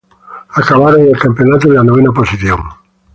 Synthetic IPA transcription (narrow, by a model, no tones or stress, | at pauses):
akaβaɾoŋelkampeonat̪oðelanoβ̞enaposiθjo̰ŋ